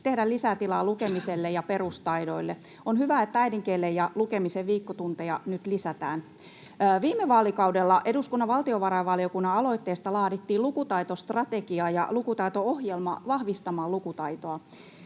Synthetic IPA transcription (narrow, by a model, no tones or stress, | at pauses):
t̪e̞hdælisæt̪ilɑlukemiselːejɑpeɾust̪ɑido̞ilːe | onɦyʋæet̪ːææidiŋkeːlːejɑlukemiseʋʋiːkːot̪unt̪ejɑnyt̪lisæt̪æːnː | ʋiːmːeʋɑːlikɑudelːɑʔe̞duskunːɑʋɑlt̪ioʋɑɾɑjʋɑlio̞kunːɑɑlo̞it̪ːeːst̪ɑlɑːdit̪ːiːlukut̪ɑit̪ost̪rɑt̪eɡiɑːjɑ̰lukut̪ɑit̪oohjelmɑ̰ʋɑhʋist̪ɑmɑːlukut̪ɑit̪oɑ